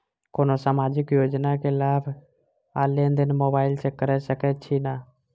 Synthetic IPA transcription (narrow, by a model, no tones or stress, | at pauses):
koːnosamad͡ʒɪkjod͡ʒnakelabʱ | a̰lend̪ənmobailsekəɾɛsəkɛt̪̚t͡ʃʰina